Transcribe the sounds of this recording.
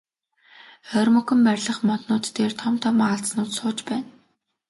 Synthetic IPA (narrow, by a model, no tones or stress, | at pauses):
œrʲmɵkɵ̆mpærʲɮə̆χmɔt̪nʊːt̪ːeːrt̪ʰɔmt̪ʰɔmaaɮsnʊːt̪sʊːt͡ɕpæːn